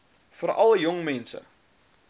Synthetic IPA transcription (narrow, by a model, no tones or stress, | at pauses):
fəɾɐ̰ləjɔŋmɛnsə̰